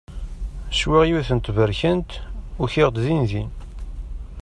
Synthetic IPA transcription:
ʃwiʁjuθənt̪vəɾçənt̪ʊçiʁd̪zinzin

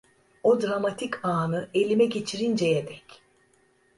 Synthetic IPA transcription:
o̞d̪ɾamat̪ʰikʰaːnɯe̞lʲimɛɟe̞t͡ʃʰiɾind͡ʒɛjɛd̪ɛc

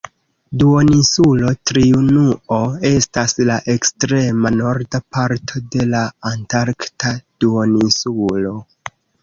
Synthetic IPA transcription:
duo̞nisulo̞tɾiunuo̞e̞staslaʔe̞kstɾe̞mano̞ɾdapaɾtʰo̞de̞laːntaɾktʰad̥uonisulo̞

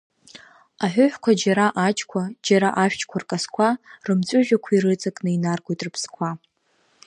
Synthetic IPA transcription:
aħʷᶣʊħʷᶣkʷʰad͡ʒaɾaʔat͡ʃʰʼkʷʰad͡ʒaɾaʔaʃᶣt͡ʃʰʼkʷʰarkʼaskʷʰarɨmt͡sʷʼʊʒᶣakʷʰaiɾɨt͡sʼakʼnɨinarɡʷojtʼrɨpʰskʷʰa

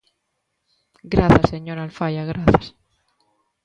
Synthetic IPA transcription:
ɡɾaθaseɲo̞ɾalfajaɣɾaθas

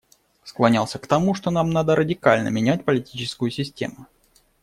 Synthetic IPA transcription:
sklˠɐnʲalˠsʲəkt̪ɐmuʂt̪o̞namnad̪əɾʔədʲɪkalʲnə̰mʲɪnʲæt̚ʲpəlʲɪtʲit͡ɕɪskʊjʊsʲɪsʲtʲḛmʊ

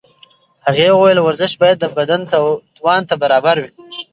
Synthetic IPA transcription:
haɣewajəlwaɾzɪʃbɑjad̪̚ːəbad̪ant̪at̪wɑnt̪abaɾɑbaɾwi

